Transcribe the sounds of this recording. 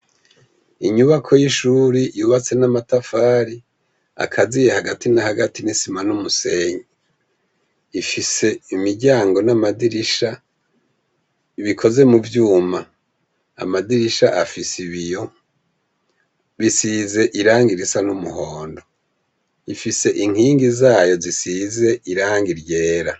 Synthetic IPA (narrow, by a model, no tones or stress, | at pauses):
iɲuβakʰo̞jiʃuːɾijuβat͡se̞namatafaːɾi | a̰kʰazijehaɡatʰinahaɡatinisimanumuse̞ːɲe | ifise̞imiɾɟaːŋɡo̞namadiɾiʃa | iβikʰo̞ze̞muvjuːma | a̰madiɾiʃaʔafisiβijo̞ | βisize̞ʔiɾaːŋɡiɾisanumuɦo̞ːndo̞ | ifise̞ʔiŋ̥hiːŋɡizaːjo̞zisize̞iɾaːŋɡiɾje̞ːɾa